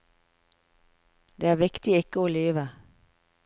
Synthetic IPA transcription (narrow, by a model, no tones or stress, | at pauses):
d̪eːæːʋɪkt̪ɪɪkəoːleːʋə